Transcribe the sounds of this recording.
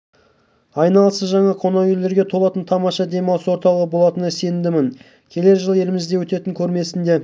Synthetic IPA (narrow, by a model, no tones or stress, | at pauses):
ɑjnɑlˠəsəzʒɑɴɑqʰo̞nɑjelːe̞ɾɡʲe̞t̪ʰo̞lˠɑt̪ənt̪ʰɑmɑʃɑd̪e̞mɑwswo̞ɾt̪ɑlˠəʁəbo̞lˠɑt̪ənɪsend̪ɪmɪŋ | kʲʰe̞le̞ɾʒəlˠe̞lɪmɪzd̪e̞wɵt̪e̞t̪ɪŋkʲʰɵɾme̞sɪnd̪e̞